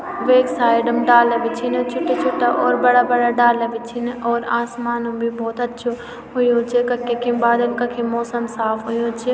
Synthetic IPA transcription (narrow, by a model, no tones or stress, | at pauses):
ʋeːksaːɪɖəmɖaːlɐʋit͡ʃʰinɐt͡ʃʰʊʈːet͡ʃʰʊʈːaʔɔːɾbɐɽabɐɽaɖaːlɐʋit͡ʃʰinʔɔːɾaːsmaːnumbʱibɔːt̪ɐtːʃʰo | ɦʊjõt͡ʃʰekɐkːekʰĩbaːd̪ɐlkɐkʰĩmɔːsəmsaːfɦʊjõt͡ʃʰe